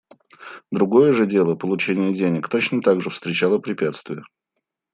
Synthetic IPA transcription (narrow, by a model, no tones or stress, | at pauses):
d̪ɾʊɡo̞jəʐɨdʲe̞lˠəpəlˠʊt͡ɕenʲɪjədʲenʲɪkt̪ot͡ɕnət̪aɡʐɨfst̪ɾʲɪt͡ɕalˠəpɾʲɪpʲat̪st̪vʲɪjə